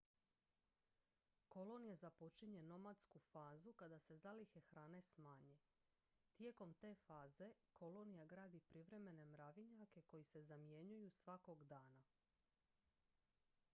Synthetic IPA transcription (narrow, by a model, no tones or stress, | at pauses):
ko̞lo̞nijazapo̞t͡ʃiɲe̞no̞mad̪skufaːzukad̪ase̞zalixe̞xɾaːne̞smaːɲe̞ | t̪je̞ko̞mt̪e̞ːfaːze̞ko̞lo̞nijaɡɾaːd̪ipɾiʋɾe̞me̞ne̞mɾaʋiɲake̞ko̞jise̞zamje̞ɲujusʋako̞ɡd̪aːna